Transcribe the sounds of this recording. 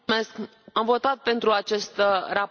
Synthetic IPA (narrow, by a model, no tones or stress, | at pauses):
me̞sk | amvo̞t̪at̪̚pe̞nt̪ɾuat͡ʃe̞st̪ra